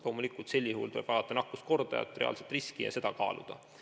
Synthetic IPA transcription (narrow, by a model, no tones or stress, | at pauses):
lo̞ːmulikːˑult̪se̞lʲːihuːlt̪oleb̥ɑlɑt̪ːˑɑnɑkːˑust̪̚ko̞rd̪̥ɑ̰jɑ̰t̪ːˑre̞ɑ̰lset̪riskijɑ̰se̞d̪̥ɑkɑːlṵd̪̥ɑ̰